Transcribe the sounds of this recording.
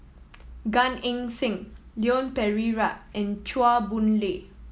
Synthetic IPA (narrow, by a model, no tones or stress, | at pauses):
ɡãnĩŋsɪ̃ŋ | liɔ̃npɛɹiɹaɛ̃nt͡ʃuabũnle